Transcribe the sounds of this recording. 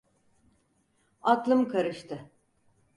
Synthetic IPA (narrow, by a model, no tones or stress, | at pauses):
aklˠɯmkʰaɾɯʃt̪ʰɯ